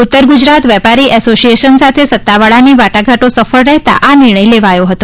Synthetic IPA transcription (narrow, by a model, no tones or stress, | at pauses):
ut̪ːəɾɡud͡ʒɾat̪ʋjɛpaɾiʔɛsosieʃənsat̪ʰesət̪ːaʋaɭaniʋaʈaɡʱaʈosəfəɭɾɛɦt̪a̰ʔanɪɾɳ̃əjleʋajoɦət̪o